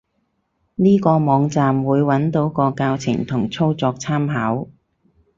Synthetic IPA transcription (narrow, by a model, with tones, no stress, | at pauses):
niː˥kɔː˧mɔː˨˧ŋt͡saː˧mwuː˨˧jwɐ˨˥nt̪o˨˥wkɔː˧kaː˧wt͡sʰɪ̰˨˩ŋt̪ʰʊ˨˩ŋt͡sʰo˥wt͡sɔː˧k̚t͡sʰaː˥mɦaː˨˥w